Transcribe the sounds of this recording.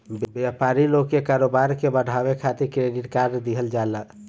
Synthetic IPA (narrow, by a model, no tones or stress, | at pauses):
bbjapaɾilokːekaɾobaɾkebəɽ̤ʱaʋekʰat̪iɾkɾeɖiʈkaɾd̪iɦəld͡ʒalə